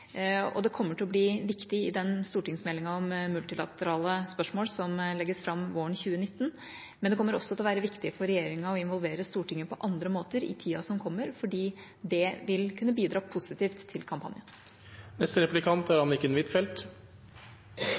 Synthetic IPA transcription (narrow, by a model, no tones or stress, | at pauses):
ɔ̰d̪ɛkʰɔmːəʈʰɪlɔbliːʋɪkt̪ɪɪd̪ɛnst̪uːʈɪŋsmɛlːɪŋɑɔmmʉlt̪ɪlɑ̰t̪əɾɑːləspœʂmoːlsɔmlɛɡːəsfɾɑmːʋoːəɳçʉːənɪt̪ːn̩ | mɛnd̪ɛkʰɔmːəɾɔsːɔt̪ɛlɔʋæːɾəʋɪkt̪ɪfɔɾɛjeːɾɪŋɑɔɪnʋɔlʋeːɾəst̪uːʈɪŋːəpʰɔʔɑnd̪ɾəmoːt̪əɾɪ̰t̪ʰiːɑsɔmkʰɔmːəɾfɔɖiː | d̪ɛʋɪlkʰʉnːəbiːd̪ɾɑːpʰʊsɪt̪iːft̪ʰːɪlkʰɑmpʰɑnjən | nɛst̪əɾɛplɪkʰɑnt̪æɾhɑnɪkːəɛnʋɪt̪fɛlt̪